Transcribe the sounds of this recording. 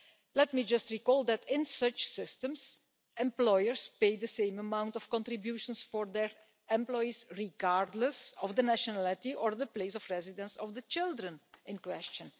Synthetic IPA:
lɛtmid͡ʒʌstɹikɔlˠd̪ɛtɪ̃nsʌt͡ʃsɪstə̃ms | ɛ̃mplɔjəɹspeɪd̪əsẽɪ̃məmãw̃ntɔfkɔ̃ntɹɪbjuʃə̃nsfɔɹd̪ɛɹ | ɛ̃mplɔisɹiɡaɹdləsɔvd̪ənæʃɔnælɪtiʔɔɹd̪əpleɪsɔfɹɛzɪdə̃nsɔfd̪ət͡ʃɪlˠdɹə̃nɪ̃nkwɛst͡ʃə̃n

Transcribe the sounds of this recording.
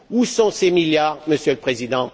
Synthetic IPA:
usɔ̃semiljaːʁməsjøləpχezid̪ɑ̃

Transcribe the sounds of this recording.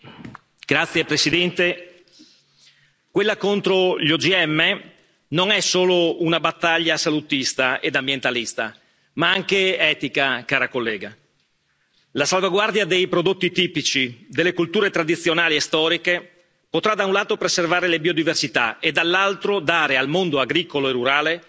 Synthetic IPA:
ɡ̥ɾat̪sːjepɾesid̪ɛnt̪e | kwelːakont̪ɾoʎod͡ʒiɛmːe | noŋɛsoːlounabat̪ːaʎːasalut̪ist̪aed̪ambjent̪alist̪a̰ | maaŋkeɛːt̪ikakaːɾakolːɛ̰ːɡa | lasalvaɡward̪jad̪ejpɾod̪ot̪ːit̪iːpit͡ʃid̪elːekult̪uːɾet̪ɾad̪it̪sːjonaːliest̪ɔːɾike | pot̪ɾad̪aunlaːt̪opɾeservaːɾelebiod̪iversit̪aed̪ːalːalt̪ɾod̪aːɾealmond̪oaɡɾiːkoloerːuɾaːle

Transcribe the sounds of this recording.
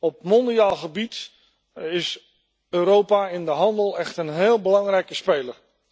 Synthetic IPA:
ɔp̚mɔndiaːlˠχəbit | ɪs | øːɾowpaɪndəɦɑndəlˠɛχtənɦeːlˠbəlɑŋrɛjkəspejləɹ

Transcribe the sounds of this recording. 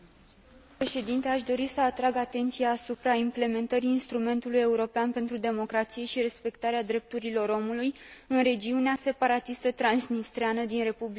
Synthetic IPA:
pɾe̞ʃe̞d̪int̪e̞aʃd̪o̞ɾisəat̪ɾaɡat̪e̞nt̪sijaːsupɾaimple̞me̞nt̪əɾiːnst̪ɾume̞nt̪uluje̞uɾo̞peanpe̞nt̪ɾud̪e̞mo̞kɾat̪sije̞ʃiɾe̞spe̞kt̪aɾead̪ɾe̞p̚t̪uɾilo̞ɾo̞mulujɨnɾe̞d͡ʒiunease̞paɾat̪ist̪ət̪ɾansnist̪ɾeanəd̪inɾe̞publia

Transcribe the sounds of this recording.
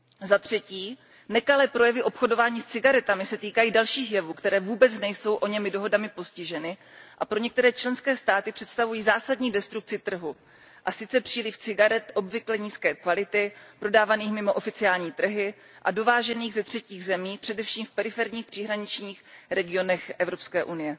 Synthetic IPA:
zat̪r̝̥ɛciː | nɛkalɛːpɾo̞jɛvɪʔo̞pxo̞do̞vaːɲiːst͡sɪɡaɾɛt̪amɪsɛt̪iːkajiːdalʃiːxjɛvuːkt̪ɛɾɛːvuːbɛt͡snɛjso̞wʔo̞ɲɛmɪdo̞ɦo̞damɪpo̞scɪʒɛnɪ | ʔapɾo̞ɲɛk̚t̪ɛɾɛːt͡ʃlɛnskɛːst̪aːt̪ɪpr̥ɛt̪st̪avujiːzaːsadɲiːdɛst̪ɾuk̚t͡sɪt̪r̩ɦu | ʔasɪt͡sɛpr̥iːlɪft͡sɪɡaɾɛt̪ʔo̞bvɪklɛɲiːskɛːkvalɪt̪ɪpɾo̞daːvaniːxmɪmo̞ʔofɪt͡sɪaːlɲiːt̪r̩ɦɪ | ʔa̰do̞vaːʒɛniːɣzɛt̪r̥ɛciːɣzɛmiːpr̝̥ɛdɛfʃiːmfpɛɾɪfɛɾɲiːxpr̥ɪɦɾaɲɪt͡ʃɲiːxɾɛɡɪo̞nɛxʔɛvɾo̞pskɛːʔunɪjɛ

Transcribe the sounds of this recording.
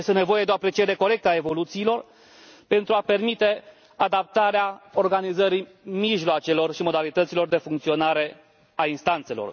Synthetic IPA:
jest̪e̞ne̞vo̞jed̪eoapɾe̞t͡ʃied̪e̞ko̞ɾe̞k̚t̪ae̞vo̞lut̪siːlo̞r | pe̞nt̪ɾuape̞rmit̪e̞ | ad̪ap̚t̪aɾeao̞rɡanizəɾi | miʒloat͡ʃe̞lo̞rʃimo̞d̪alit̪ət̪silo̞rd̪e̞fuŋkt̪sio̞naɾe̞ | ainst̪ant̪se̞lo̞̰r

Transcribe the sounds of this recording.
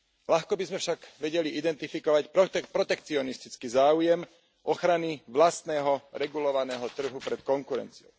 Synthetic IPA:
laxkɔbizmɛfʃaɡʋɛɟɛliʔid̪ɛnt̪ifikɔʋacpɾɔpɾɔt̪ɛkt͡siɔnist̪it͡skizaːujɛm | ʔɔxɾaniʋlast̪nɛːɦɔɾɛɡulɔʋanɛːɦɔt̪r̩ɦupɾɛt̪kɔŋkuɾɛ̰nt͡siɔ̰ʊ

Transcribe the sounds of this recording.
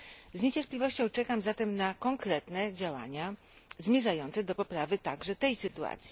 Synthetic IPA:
zɲet͡ɕɛɾplʲivɔɕt͡ɕɔ̃w̃t͡ʂɛkamzat̪ɛmnakɔŋkɾɛt̪nɛd͡ʑawa̰ɲa | zmʲjɛʐajɔnt̪sɛd̪ɔpɔpɾavɘt̪aɡʐɛt̪ɛjsɘt̪ua̰t̪sʲji̥

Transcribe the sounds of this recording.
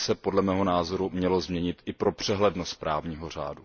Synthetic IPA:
sɛpo̞dlɛmɛːɦo̞naːzo̞ɾumɲɛlo̞zmɲɛɲɪt̪ɪpɾo̞pr̥ɛɦlɛdnost̪̚pɾaːvɲiːɦo̞r̝a̰ːdu

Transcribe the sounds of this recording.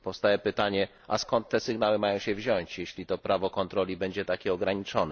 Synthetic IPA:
pɔfst̪ajɛpɘt̪aɲɛ | a̰skɔnt̪ːɛsɘɡnawɘmajɔ̃w̃ɕɛvʑɔɲt͡ɕjeɕlʲit̪ɔpɾavɔkɔnt̪ɾɔlʲibɛɲd͡ʑɛt̪akʲɛɔɡɾaɲit͡ʂɔnɛ

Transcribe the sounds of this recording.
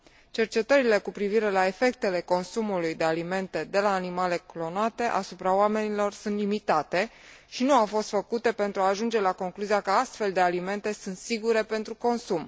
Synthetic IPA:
t͡ʃe̞rt͡ʃe̞t̪əɾile̞kupɾiviɾe̞lae̞fe̞k̚t̪e̞le̞ko̞nsumulujd̪e̞alime̞nt̪e̞d̪e̞laːnimale̞klo̞nat̪e̞ʔa̰supɾaoame̞nilo̞rsunt̪limit̪at̪e̞ʃinuawfo̞st̪fəkut̪e̞pe̞nt̪ɾuaːʒund͡ʒe̞lako̞ŋkluziakəast̪fe̞ld̪e̞alime̞nt̪e̞sunt̪siɡuɾe̞pe̞nt̪ɾuko̞nsum

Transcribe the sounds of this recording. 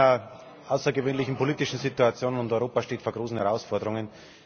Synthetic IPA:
ɐ | ʔaʊsɐɡəvøːnlɪçn̩pʰoliːtɪʃn̩zituat͡sjoːnənʊntɔʏʁoːpaʃteːtfoːɐɡʁoːsn̩hɛʁaʊsfɔɐdəʁʊŋən

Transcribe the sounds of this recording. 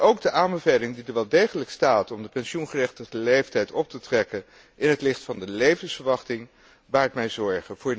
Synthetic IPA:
owɡ̚dəʔaːnbəvejlɪŋdidəɹʋɛlˠdejχələkstaːtɔmdəpɛnʃunχərɛχtəəlejftɛjtɔp̚tətrɛkən | ʔɪnɦətlɪχtfɑndəlejvənsfəɹʋɑχtɪŋ | baːɹtmɛjzɔɹχəv̥ʊːɹ

